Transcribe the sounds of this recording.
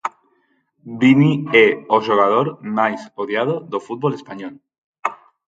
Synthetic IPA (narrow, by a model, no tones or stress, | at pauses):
binieoʒoɣ̞að̞oɾmajsoðjað̞oðofut̪̚bolespaɲol